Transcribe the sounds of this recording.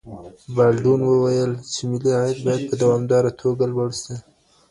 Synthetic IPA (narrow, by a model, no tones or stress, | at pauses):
balɖunwəwajəlt͡ʃemɪliɑjad̪̚bɑjad̪̚pʰəd̪awɑmd̪ɑɾat̪ʰoɡalwaɽsi